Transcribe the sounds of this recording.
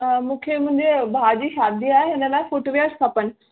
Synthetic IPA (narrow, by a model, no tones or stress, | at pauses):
mũːkʰemʊ̃ɦɪ̃ɲd͡ʑebʱaːd͡ʑiːʃaːd̪iaːɦeɦɪnə̆laːɪfoʈoʋijaːɾkʰɐpənɪ̆